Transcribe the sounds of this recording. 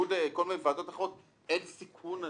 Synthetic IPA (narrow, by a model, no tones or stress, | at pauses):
udeko̞lminevaːdo̞t̪aχʁot̪̚ | ensikʰuna